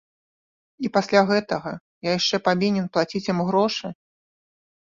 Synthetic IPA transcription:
ipasʲlʲaɣɛt̪ɐɣɐ | jajaʂt͡ʂɛpavʲinʲɛnplˠat͡sʲit͡sʲjamɣɾɔʂɨ

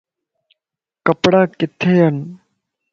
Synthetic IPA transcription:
kɐpɽakɪt̪ʰːejɐn

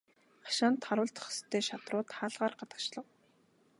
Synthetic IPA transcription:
χḁʃaːnt̪χaɾʊ̆ːɮt̪ʰχst̪ʰːeːʃat̪rʊːt̪χaːɮʁaːrɢat̪ə̥̆t͡ɕɮə̆q

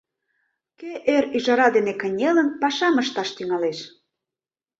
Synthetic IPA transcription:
keʔeɾyʒɑɾɑd̪enekə̆nʲelənpɑʃɑməʃt̪ɑʃt̪yŋɑleʃ

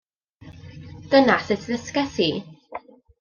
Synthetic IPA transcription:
d̥ənasɪtʰðəskɛsi

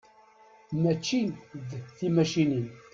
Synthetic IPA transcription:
mæt͡ʃːiðθimæʃinin

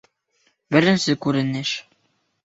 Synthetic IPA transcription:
bɘ̆ɾɘ̆nsɘkʉɾɘ̆nɘʃ

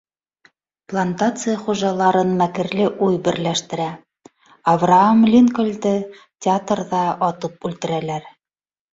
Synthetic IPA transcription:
plˠant̪at̪sɨjəχuʒɑlˠɑɾɤnmækɘ̆ɾlɘʔujbɘ̆ɾlæʃt̪ɘ̆ɾæ | ɐvraamlʲinkŏlʲd̪ɘ | tʲɪat̪rðɑɒt̪ɤpʉlt̪ɘ̆ɾælæɾ

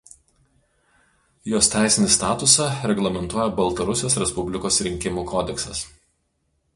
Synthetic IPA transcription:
joːst̪ʲæˑɪsʲɪnʲɪst̪ɑːt̪ʊsɑɾʲɛɡlˠɐmʲɛnt̪uɔjɛbɐlˠt̪ɐɾʊsʲjoːsɾʲɛspʊbʲlʲɪkoːsɾʲɪŋʲkʲɪmuːkʰɔːd̪ʲɛksɐs

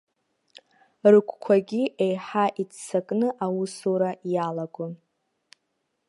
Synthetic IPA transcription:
rɨkʷʰʼkʷʰaɡʲiejħaʔit͡sʰt͡sakʼnɨʔawusoɾajalaɡʷʼʊ

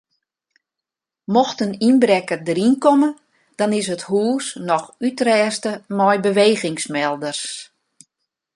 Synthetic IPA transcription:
mɔxtəninbɾɛkərdəɾinkɔmə | d̥ɑnɪs̬əthuəsnɔxytrɛːstəmɔjbəʋeːɣɪŋsmɛlˠdərs

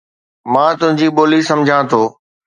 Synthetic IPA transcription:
mãːt̪ʊ̃ɦɪ̃ɲd͡ʑiːɓoːlisɐmd͡ʑʱãt̪ʰoː

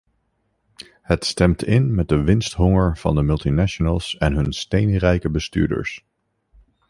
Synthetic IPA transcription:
hətstɛmtɪnmɛt̚dəʋɪnstɦɔŋəɹv̥ɑ̰ndəmʏlˠtinaʃonəlˠsɛnɦɵnstejnrɛjkəbəsty̰ːɹdə̰ɹs

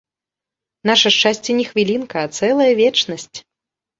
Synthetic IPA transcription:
naʂɐʂt͡ʂasʲt͡sʲɛnʲɛxvʲilʲinkɐːt̪sɛlˠɐjɐvʲɛt͡ʂnɐsʲt͡sʲ

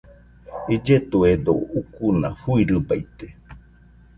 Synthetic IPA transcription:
id͡ʒet̪ued̪o̰ukuna̰huiɾɨbajt̪e̥

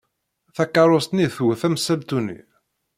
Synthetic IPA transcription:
θækːɑɾˤost̪niθuθæmsælt̪unḭ

